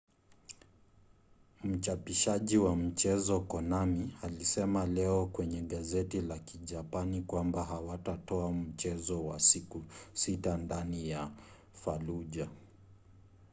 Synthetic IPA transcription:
m̩t͡ʃapiʃaʄiwam̩t͡ʃɛzɔkɔnamialisɛmalɛɔkwɛɲɛɠazɛtilakiʄapanikwambaɦawatatɔam̩t͡ʃɛzɔwa̰sikusitandanija | faluʄa

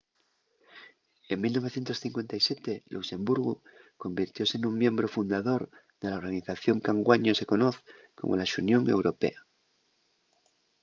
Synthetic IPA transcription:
eŋmilno̞β̞e̞θje̞nt̪osθĩŋkwe̞nt̪ajsjet̪elʔuse̞mbuɾɣuko̞mbiɾt̪jo̞senũŋmjẽ̞mbɾofund̪aðo̞ɾ | ðe̞laoɾɣaniθaθjo̞ŋkaŋɡwaɲose̞ko̞noθ | ko̞̰mʔo̰laʃunjo̞ŋe̞̰wɾo̞pe̞̰a

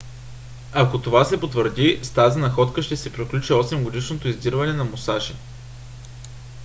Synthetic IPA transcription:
akot̪ovasɛpot̪vəɾd̪ist̪azinɐxɔt̪kəʃt̪ɛsɛpɾiklʲut͡ʃiɔsɛmɡod̪iʃnot̪oizd̪iɾvɐnɛnɐmosaʃi

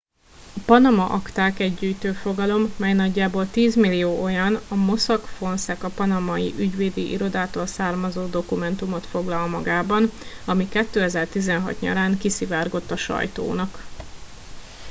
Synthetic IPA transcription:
ɒpɒnɒmɒʔɒkt̪aːkɛɟːyːjt̪øːfo̞ɡɒlo̞mːɛjnɒɟːaːboːlt̪iːzmilːijoːʔo̞jɒnɒmo̞sɒkfo̞nsɛkɒpɒnɒmɒjḭʔyɟʋeːd̪iʔḭɾo̞d̪aːt̪oːlsaːrmɒzoːd̪o̞kumɛn̪t̪umo̞t̪fo̞ɡlɒlmɒɡaːbɒnɒmikɛt̪ːøːɛzɛrt̪izɛnɦɒ̰t̪ɲɒ̰ɾaːŋkisivaːrɡo̞t̪ːɒʃɒ̰jt̪o̰ːnɒk

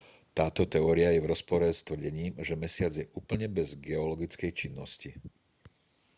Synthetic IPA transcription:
t̪aːt̪ɔt̪ɛɔːɾiajɛvɾɔspɔɾɛst̪ʋr̩ɟɛɲiːmʒɛmɛsɪad͡zjɛʔuːpl̩ɲɛbɛzɡɛɔlɔɡit͡skɛjt͡ʃinːɔsci

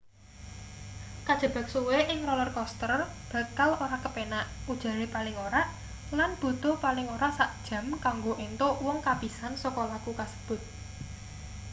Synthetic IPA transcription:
kad̥ʒ̥ə̤b̥a̤k̚suweʔɪŋrɔlɔrkɔst̪ərb̥ä̤kaloɾakəpenaʔud̥ʒ̥a̤ɾepalɪŋoɾaʔ | lanb̥o̤d̪o̤palɪŋoɾasaʔd̥ʒ̥a̤mkaŋɡoʔent̪owɔŋkab̥i̤sansɔkɔlakukasə̥b̥ʊ̤t̪̚

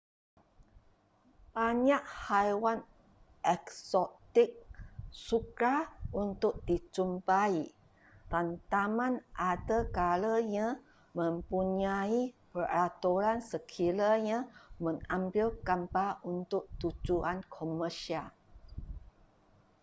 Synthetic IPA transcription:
b̥aɲaʔhajwan | ʔɛksɔt̪ɪk̚sukaʔunt̪ʊk̚dit͡ʃumpai | tant̪amãnʔadakaləɲã | mə̃mpuɲaipəɾat̪uɾansəkʰilaɲãmə̃ŋãmbɪlkampaʔunt̪ʊk̚t̪ud͡ʒuankʰoməʃial

